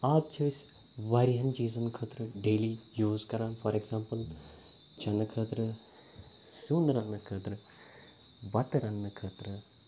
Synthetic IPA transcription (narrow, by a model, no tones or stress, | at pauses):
aːb̚t͡ʃʰojsʲ | ʋɐɾiɦɐnt͡ʃiːzɐnkʰəːt̪ɾɨɖeːlijuːzkɐɾaːnfɐɾeɡsãːmpəl | t͡ʃʰɐnɨkʰəːt̪ɾɨ | sunɾɐnːɨkʰəːt̪ɾɨ | bɐt̪ɾɐnːɨkʰɐːt̪ɾɨ